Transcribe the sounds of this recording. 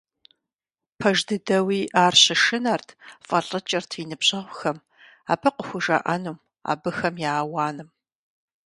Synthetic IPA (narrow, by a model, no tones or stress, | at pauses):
pʰɐʒdɨdɐwiːʔaːrɕɪʂɨnartʰfʼɐɬʼɐt͡ʃʼɐrtʰinɨbɕɐʁʷʊxɐm | aːpʰɐqəxʷʊʒɐ̰ʔɐnuːm | a̰ːbɨxɐmjaːwaːnɨm